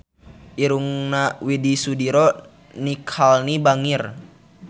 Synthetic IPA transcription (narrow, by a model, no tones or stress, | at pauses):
ʔiɾuŋnawidisudiɾɔ | nikʰalnibaŋir